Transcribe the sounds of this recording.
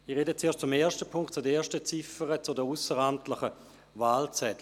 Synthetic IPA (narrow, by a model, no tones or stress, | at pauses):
ɪʁedət͡seːɐʃtt͡sʊmeːɐʃtəpʰʊŋktt͡sʊdəeːɐʃtət͡sɪfəʁət͡sʊdəusəʁantʰləχə | vaːlt͡sɛt